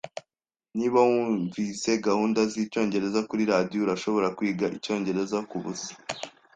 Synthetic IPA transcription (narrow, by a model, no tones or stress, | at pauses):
niːβauɱvise̞ɡahuːndaziːco̞ːɲɟe̞ɾe̞zakuɾiɾadijouɾaʃo̞βo̞ɾakwiːɡaʔico̞ːɲɟe̞ɾe̞zakuβusi̥